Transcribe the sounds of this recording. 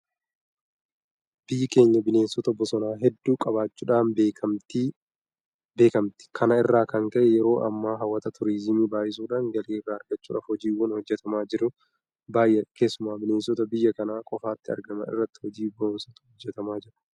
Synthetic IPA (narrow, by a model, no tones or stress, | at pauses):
b̥ɪjːɪke̞ːɲːɐbɪneːnsɔt̪ɐbɔsɔnaːɦɛd̪ːuːkʼɐbaːt͡ʃːuːᶑaːnbeːt̪ː | beːkɐmt̪ɪ̥kʰɐnɐɪrːaːkɐŋkɐʔɛjɛɾo̞ːʔɐmːaːɦɐwːɐt̪ɐt̪ʰʊɾiːzɪmiːbaːjɪs̬uːᶑaːŋɡɐleːɪrːaːɐɾɡɐt͡ʃːuːᶑɐ̰ːfhɔd͡ʒiːwɔnhɔd͡ʒːɛt̪ɐmaːd͡ʒɪɾʊ | baːjʔɛke̞ːsːʊmaːbɪneːnsɔt̪ɐbɪjːɐkɐnaːkʼɔfaːt̪ːɪɐ̰ɾɡɐmɐ̰ɪ̰rːɐt̪ːɪ̥hɔd͡ʒiːboːnsɐt̪ʊ̥hɔd͡ʒːɛt̪ɐmaːd͡ʒɪɾɐ̥